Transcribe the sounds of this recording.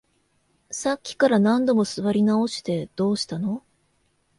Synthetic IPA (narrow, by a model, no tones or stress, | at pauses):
sakʲːi̥kaɾanãnd̪o̞mo̞sɨβaɾʲinao̞ɕi̥t̪e̞d̪̥o̞ːɕi̥t̪ano̞